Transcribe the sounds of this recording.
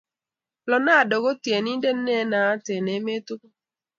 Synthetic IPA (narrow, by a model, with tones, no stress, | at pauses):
lɔ˨na˦˨dɔ˨ɡo˦tje˨ni˦nde˦nɛ˦na˨˦te˨ne˨˦me˦tu˦